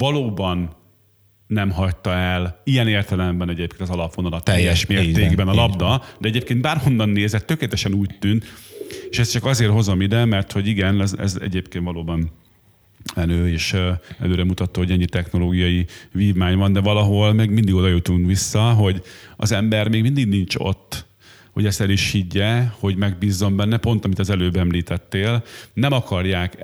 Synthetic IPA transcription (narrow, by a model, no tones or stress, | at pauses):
vɒloːbɒnː | ɛmɦɒct̪ːɒɛlijɛneːrt̪ɛlɛmbɛnɛɟeːp̚keːnɒzɒlɒpʋonɒlɒt̪ɛjːɛʃmeːrt̪eːɡbɛnɒlɒbd̪ɒd̪ɛɛɟeːp̚keːnd̪̚baːrho̞nːɒnːeːzɛt̪ːø̞keːlɛt̪ɛʃɛnuːct̪ynt̪eːʃɛst͡ʃɒkɒzeːrɦo̞zo̞mid̪ɛmɛrt̪ho̞ɟiɡɛnɛzɛ̰zɛ̰ɟeːpkeːnt̪vɒloːbɒn | ɛnøːeːʃɛ̰løːɾɛmut̪ɒt̪ːoːhoɟɛɲːit̪ɛxno̞loːɡijɒjiviːvmaːɲvɒnd̪ɛvɒlɒɦo̞lmɛɡmind̪iɡod̪ɒjøt̪uŋkʋisːɒɦo̞ɟɒ̰zɛmbɛrmeːɡmind̪iɡnint͡ʃo̞̰t̪ː | hoɟɛst̪ɛliʃhiɟːɛho̞ɟmɛɡbiːzːo̞mbɛnːɛpo̞nt̪ɒmit̪ɒzɛløːbɛmliːt̪ɛt̪ːeːlnɛmɒkɒrjaːk